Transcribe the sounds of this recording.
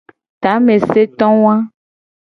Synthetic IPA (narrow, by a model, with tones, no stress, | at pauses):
t̪a˨˦me˨se˦t̪ɔ̃˦w̃ã˦